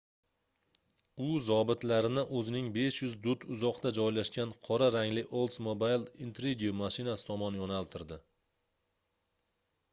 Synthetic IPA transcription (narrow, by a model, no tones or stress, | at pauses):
ʊzɒbɪt̪laɾɪnɪʔɵzɪnɪŋbe̞ʃjʊzd̪ʊt̪ʰʊzɒqt̪ad͡ʒɒjlaʃkʲanqʰɒɾaɾaŋlɪʔolˠt̪smobajlˠint̪ɾiɡʲiumaʃɪnasɪ̥t̪ʰɒmɒnjɒnalˠt̪ʰɪɾd̪ɪ